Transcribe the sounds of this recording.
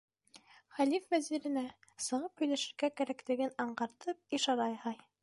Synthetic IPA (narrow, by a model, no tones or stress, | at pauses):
χælifvæziɾɘ̆næsɤ̆ʁɤphɵ̆jlæʃɘ̆ɾɡækæɾækt̪ɘ̆ɡɘnɑɴɢɑɾt̪ɤp̚iʃɑɾɑjhɑj